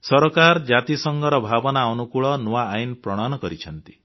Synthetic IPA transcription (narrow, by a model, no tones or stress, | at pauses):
sɔɾɔkaɾd͡ʒat̪isɔŋɡʱɔɾɔbʱabɔnaɔnukuɭɔnuaːjnpɾɔɽ̃anɔkɔɾit͡ʃʰɔnt̪i̥